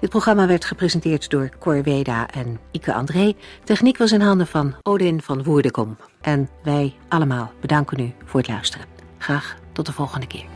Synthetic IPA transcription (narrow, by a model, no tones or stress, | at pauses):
dɪt̚proχrɑmaːʋɛɹtχəprezəntɪːɹtdʊːɹkɔɹʋejda̰ːʔɛnikəʔɑ̰ndrejtɛχnikʋɑs̬ɪnɦɑndəv̥ɑnowdɪnv̥ɑnʋuːɹdəkɔm | ʔɛnʋɛjʔɑləmaːlˠb̥ədɑŋkənyv̥ʊːɹɦətlœ̰ɥstərə | χraːχtɔtdəv̥ɔlˠχəndəkɪ̰ːɹ